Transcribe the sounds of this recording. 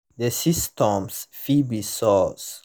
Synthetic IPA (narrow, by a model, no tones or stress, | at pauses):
d̪esistʰɔ̃msfibisɔs